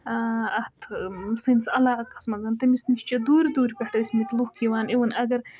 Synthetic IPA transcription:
ɐht̪ʰsinsɐlaːkɐ̥smɐɡɐnt̪ɐmisniʃt͡ʃɐd̪uːɾd̪uːɾʲpʲɐʈɐsʲmit̪luxkiwaːniwɐnɐɡɐɾ

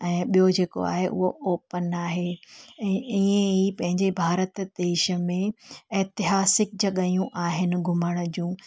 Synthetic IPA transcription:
ɛ̃ːɓijod͡ʑeːko̰a̰ːɦeʔʊ̰ɦoʔoːpənaːɦeɛ̃ːiẽipɐ̃ɦɪ̃ɲd͡ʑebʱaːɾət̪d̪eːʃə̆mẽɛt̪ɪɦaːsɪk̚d͡ʑɐɠajũʔaːɦɪnɪ̆ɡʱʊməɽ̃̆d͡ʑũː

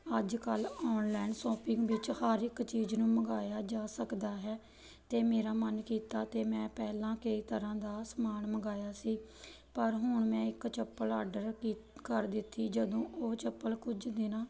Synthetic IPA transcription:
əd͡ʒkəlɔːnlɛːnsɔːpɪ̃ŋɡʋɪt͡ʃhaːɾɪkt͡ʃiːd͡ʒnũːməɡaːjaːd͡ʒaːsəkd̪aːɦɛː | t̪eːmeːɾaːmənkiːt̪aːt̪eːmɛ̃ːpɛːlãːkəiːt̪əɾãːd̪aːsəmaːɳməɡaːjaːsiː | pəɾɦʊɳmɛ̃ːɪkt͡ʃəpːəlaːɖəɾkːkəɾd̪ɪt̪ʰːiːd͡ʒəd̪õːʔoːt͡ʃəpːəlkʊd͡ʒd̪ɪnãː

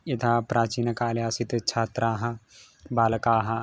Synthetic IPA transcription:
jɐt̪ʰaːpɾaːt͡ʃiːnɐkaːljaːsit̪t͡ʃʰaːt̪ɾaːɦɐ | baːlɐkaːɦɐ

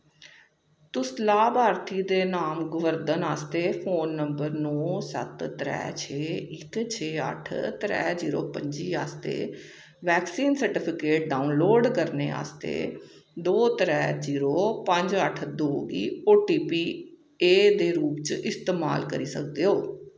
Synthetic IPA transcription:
t̪ʊslaːbʱaːɾt̪ʰiːd̪eːnaːmɡʊʋəɾd̪ənaːst̪eːpʰoːnːəmbəɾnɔːsə̰t̪ːɾɛ̰ːt͡ʃʰeːɪkt͡ʃʰeːə̰ʈʰt̪ɾɛ̰ːziːɾo̰ːpəɲd͡ʒiːaːst̪ḛː | ʋɛːksiːnsəɾʈɪpʰɪkeːʈ̚ɖaːunloːɖkəɾnḛːa̰ːst̪ḛː | d̪oːt̪ɾɛːd͡ʒiːɾoːpəɲd͡ʒəʈʰd̪oːɡḭːoːʈiːpiː | eːd̪eːɾuːpt͡ʃɪst̪eːma̰ːlkəɾiːsə̰k̚d̪eːɦoː

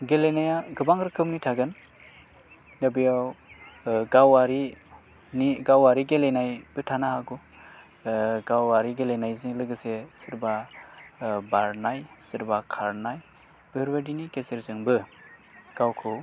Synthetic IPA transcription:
ɡelenajaɡɯbaŋɾɯkʰɯmnitʰaɡɯn | ɡabijaw | ɡawaɾi | niɡawaɾiɡelenajb̥ɯtʰanaɦaɡu | ɡawːaɾiɡelejnajzilɯɡɯsesɯɾba | baɾnajsɯɾbakʰaɾnaj | b̥eɾbadinikeseɾzɯŋbɯ | ɡ̥awkʰɯw

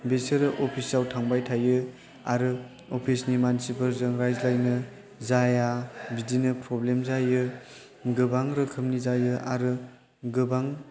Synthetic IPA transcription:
beseɾɯʔɔpʰisawtʰaŋbajtʰajɯ | aɾɯ | opʰisnimansipʰɯɾzɯŋɾajzlajnɯ | zajabidinɯpɾɔblemzajɯ | ɡɯbaŋɾɯkʰɯmnizajɯʔa̰ɾɯ | ɡɯbaŋ

